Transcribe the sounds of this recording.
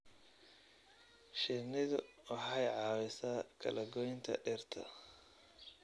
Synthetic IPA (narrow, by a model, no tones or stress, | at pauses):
ʃɪnɪðʊwɑħɑjʕɑːwɪsaːkʰɐ̰lɐɡɔjɪnt̪ʰɐ̰ɖɛrt̪ʰɐ̰